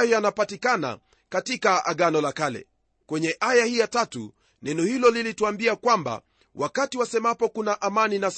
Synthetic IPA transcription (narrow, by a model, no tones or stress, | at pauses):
jɔjanapatikana̰ | katikaa̰ɠanɔlakalɛ̰ | kwɛɲɛʔajahijatatṵ | nɛnɔhilɔlilituambiakwamba̰ | wakatiwasɛmapɔkunaʔamaninas